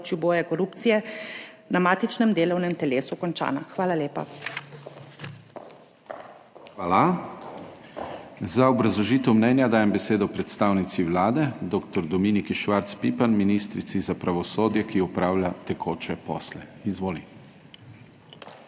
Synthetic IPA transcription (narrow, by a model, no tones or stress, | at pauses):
t͡ʃjuboːjakɔɾupt̪sijɛ | namaːt̪it͡ʃnɛmd̪eːlɔwnɛmt̪ɛleːsukɔnt͡ʃa̰ːna̰xʋaːlaleːpa̰ | xʋaːla | zaɔbɾazlɔʒiːt̪ɛwmnɛnjad̪aːjɛmbɛseːd̪ɔpɾɛt̪st̪aːwnit̪siʋlaːd̪ɛd̪oːkt̪ɔɾd̪ɔmiːnikiʃʋaɾt̪spiːpanminist̪ɾit̪sizapɾaʋɔsoːd̪jɛkiɔpɾaːwlʲjat̪ɛkʰoːt͡ʃɛpɔ̰ːslɛizʋoːli